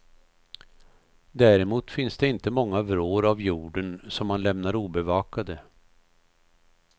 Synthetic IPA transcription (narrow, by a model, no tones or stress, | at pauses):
d̪æːɾɛmuːt̪fɪnsd̪ɛɪnt̪əmɔŋːavɾoːɾavjuːɖənsɔmːanlɛmnaɾuːbɛvɑːkad̪ə